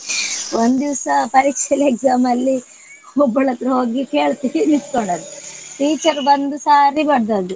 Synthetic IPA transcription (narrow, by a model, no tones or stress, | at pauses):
ond̪ud̪iʋɐsɐpɐɾiːkʂɛleɡzaːmɐlːi | ɔbːɐɭɐt̪ːɾɐɦoːɡike̞ːɭt̪iinit̪koɳɖɐd̪uʈiːt͡ʃɐɾbɐnd̪usaːɾibɐɽd̪aːd̪u